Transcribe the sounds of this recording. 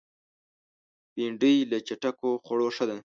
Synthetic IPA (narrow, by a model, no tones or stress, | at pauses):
piɳɖijlət͡ʃaʈakoxoɽoʂəd̪e